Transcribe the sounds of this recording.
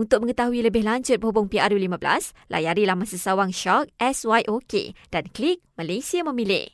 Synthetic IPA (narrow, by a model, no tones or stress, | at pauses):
unt̪ʊk̚məŋət̪aɦuiləbɪhlaɲt͡ʃʊt̪̚bəɦubʊŋpiaɾjulimãbəla̰s | lʔa̰jaɾilahmasasawaŋʃɔk̚ʔɛswajʔokḛd̥anklik̚malejsiamə̃mĩlɪ̰